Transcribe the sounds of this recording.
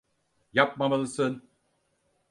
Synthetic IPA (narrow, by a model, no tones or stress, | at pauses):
jap̚mamɯlˠɯsɯn